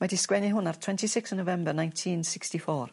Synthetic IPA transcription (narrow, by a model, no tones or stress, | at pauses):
mɛdiskwɛniɦʊnartʰw̥ɛntisɪksənːovɛmbərnãjntʰinsɪkstifɔːr